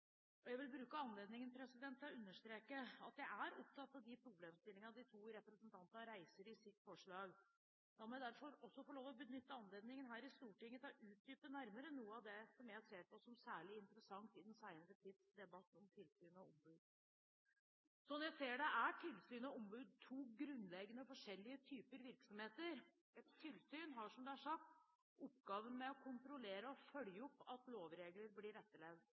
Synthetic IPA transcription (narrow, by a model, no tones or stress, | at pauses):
ʔɔjæɪʋɪlbɾʉːkəɑnleːd̪nɪŋənpʰɾɛsɪd̪ɛnt̪ʰːlɔʉnːəʂt̪ɾeːkəɑt̪jæɪæɾɔp̚t̪ʰɑt̪ːɑʋd̪ɪpʰɾʊbleːmst̪ɪlːɪŋɑd̪ɪt̪ʰuːɾɛpɾəsənt̪ʰɑnt̪ɑnəɾæɪsəɾɪsɪt̪ːfɔʂɭɑːɡ | d̪ɑmɔjæd̪æɾfɔɾɔsːɔfɔɭoːʋɔbənʏt̪ːəɑnleːd̪nɪŋənɦæːɾɪst̪uːʈɪŋːət̪ʰɑʔʉːt̪̚d̪yːpənæɾməɾənuːəɑʋd̪ɛsɔmjæɪhɑseːpʰɔsɔmsæːɭɪɪnt̪əɾəsɑŋt̪ɪd̪ɛnsæɪnəɾət̪ʰɪːd̪sd̪ɛbɑt̪ːɔmt̪ʰɪlsyːnɑɔmbʉːd̪ | sɔnjæɪseːɖɛʔæʈʰɪlsyːnɔɔmbʉːd̪̚t̪ʰuːɡɾʉnlɛɡənəfɔʂɛlːɪət̪ʰyːpəɾʋɪɾksɔmheːt̪əɾ | ɛt̪ʰːɪlsyːnɦɑʂɔmd̪ɛæʂɑkt̪ | ɔpɡɑːʋənmɛɔkʰʊnt̪ɾʊleːɾəɔfœljəɔpːɑt̪loːʋɾeːɡləɾblɪɾɛt̪ːəɭɛʋd̪